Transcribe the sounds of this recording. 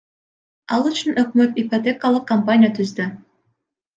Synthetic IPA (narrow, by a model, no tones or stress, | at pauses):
ɑlˠyt͡ʃynɵk̚møt̪ipot̪ʲekalˠɯq̚kːɐmpanʲɪjat̪ʰyzd̪y